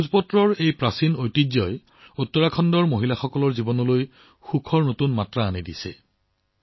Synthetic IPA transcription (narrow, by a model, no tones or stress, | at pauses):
uzpɔtɹɔɹejpɹasinojtizɔj | utːɔɹakʰɔndɔɹmoɦilaxɔkɔlɔɹzibɔnɔloj | xukʰɔɹnotunmatɹaːnidisɛ̰